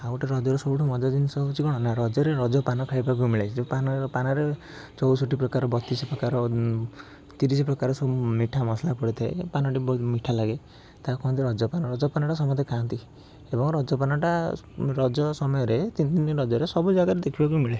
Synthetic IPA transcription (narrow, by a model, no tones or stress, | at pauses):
auʈaɾɔd͡ʒɔɾesɔbuʈʰɔmɔd͡ʒɔd͡ʒinsɔut͡ʃʰikɔɽ̃ɔnaɾɔd͡ʒɔɾeɾɔd͡ʒɔpanɔkʰaibak̬umiɭat͡ʃʰd͡ʒepanpanɔɾe | t͡ʃɔwsoʈipɾɔkaɾɔbɔt̪isɔpɾɔkaɾɔ | t̪iɾisɔpɾɔkaɾɔsumiʈʰamɔslapɔɽit̪ʰaepanɔʈibɔmiʈʰalaɡe | t̪akɔ̃nt̪̬iɾɔd͡ʒɔpanɔɾɔd͡ʒɔpanɔʈasɔmɔt̪ekʰant̪i | ebɔŋɾɔd͡ʒɔpanɔʈa | ɾɔd͡ʒɔsɔmɔjɔɾet̪int̪iniɾɔd͡ʒɔɾesɔbud͡ʒaɡaɾed̪ekʰibak̬umiɭe